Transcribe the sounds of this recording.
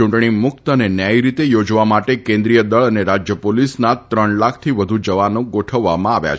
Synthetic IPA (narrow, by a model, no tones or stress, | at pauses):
ũɳʈɳ̃imʊk̚t̪ənenjajɾit̪ejod͡ʒʋamaʈekẽnd̪ɾijəd̪əɭəneɾad͡ʒjəpolisnat̪ɾəɳlakʰt̪ʰiʋəd̪ʱud͡ʒəʋanõɡoʈʰəʋːamãaʋja̰t͡ʃ